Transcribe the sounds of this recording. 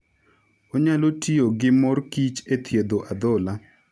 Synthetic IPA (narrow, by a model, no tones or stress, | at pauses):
oɲalotioɡɪmɔrkit͡ʃet̪ʰjed̪oʔad̪ɔla